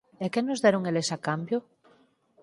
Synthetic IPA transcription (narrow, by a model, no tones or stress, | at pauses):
ekenozðeɾoŋelesakambjo